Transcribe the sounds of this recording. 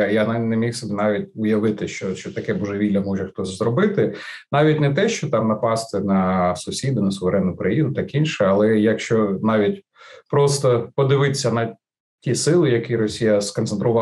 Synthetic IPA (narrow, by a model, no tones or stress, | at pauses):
jannemʲixsɔbʲɛnɑʋʲitʲʊjɐʋɪt̪ɪʃt͡ʃɔʃt͡ʃɔt̪ɐkɛbuʒɛʋʲilʲːɐmɔʒɛxt̪ɔsʲzɾɔbɪt̪ɪnɑʋʲitʲnɛt̪ɛʃt͡ʃɔt̪ɑmnɐpɑst̪ɪnɐsʊsʲid̪ʊnɐsʊʋeɾɛnːʊʊkɾɐjinʊt̪ɑkinʃɛɐlˠɛjɐkʃt͡ʃɔnɑʋʲit̚ʲ | pɾɔst̪ɔpɔd̪ɪʋɪt̪sʲːɐnɐ | tʲisɪlˠɪjɐkiɾɔsʲijɐskɔnt̪sent̪ɾʊʋɑ